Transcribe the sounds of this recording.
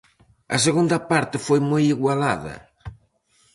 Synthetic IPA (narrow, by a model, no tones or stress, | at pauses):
ɐ̰seɣund̪ɐpaɾt̪ɪfojmojiɣwalaðɐ̰